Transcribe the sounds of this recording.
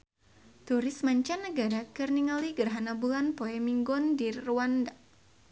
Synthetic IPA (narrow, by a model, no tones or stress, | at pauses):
t̪uɾɪsmaɲt͡ʃanːəɡaɾakɨrniŋaliɡərɦanabulanpoɛmiŋɡɔndirːuanda